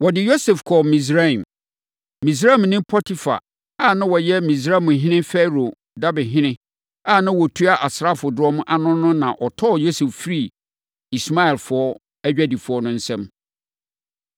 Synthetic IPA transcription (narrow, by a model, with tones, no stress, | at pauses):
wɔ˨dɪ˨jo˦se˨fkʰɔ˨mĩ˨s̬ɾa˦ĩ˨m | mĩ˨s̬ɾa˦ĩ˨mnɪ̃˦mpʰɔ˦tʰi˦fa̰˨ | a˦˨nã˦wɔ˨jɛ˦mĩ˨s̬ɾa˦˨mʊ̃˨ɦɪ̃˦nɪ̃˦fɛ˦ɾo˨ | da˦bɪ̃˨ɦɪ̃˦nɪ̃˦ | a˦˨nã˦wɔ˨tʰu˦a˦ʔa˨sɾa˦fʊ˨dɔ˦mʊ̃˦ʔa˨nʊ̃˦nːʊ̃˦nã˨ʔɔ˨tʰɔ˦˨jo˦se˨ffɾi˦˨ | i˨sma˦ɛ˨lfʊ˨ɔ˦ | æ˦d͡ʑᶣæ˦di˨fʊ˨ɔ˦nʊ̃˦n̩˦sɛ̃˦m